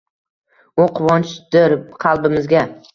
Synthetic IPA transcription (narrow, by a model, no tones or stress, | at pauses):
oqʰwɒnt͡ʃd̪̥ɪɾqʰɑlˠbɪmɪzɡʲa